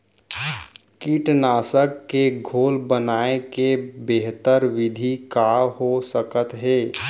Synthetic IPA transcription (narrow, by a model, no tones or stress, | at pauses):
kiʈnaːsəkːeɡʱoːlbənaːekebeɦt̪əɾʋɪd̪ʱikaɦosəkət̪ɦeː